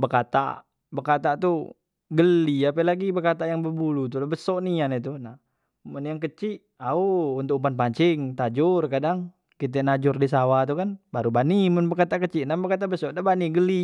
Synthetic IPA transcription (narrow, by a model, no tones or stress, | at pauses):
bərkat̪a̰ | bərkat̪aʔt̪u | ɡəlːiapɛlaɡibərkat̪aʔjaŋbəbulut̪̬ulabəsɔʔnianɛt̪una | mʊnjaŋkət͡ʃiʔ | aoːnt̪ʊkumpanpaɲt͡ʃiŋt̪ad͡ʒʊrkadaŋ | kit̪̬ɛnad͡ʒʊrdis̬awat̪̬ukanbaɾubanimʊnbərkat̪aʔkət͡ʃiʔnabərkat̪aʔbəsɔʔnabaniɡəli